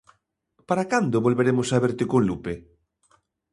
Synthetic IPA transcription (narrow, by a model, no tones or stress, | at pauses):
paɾakand̪oβolβeɾemosaβeɾt̪ekõnlupe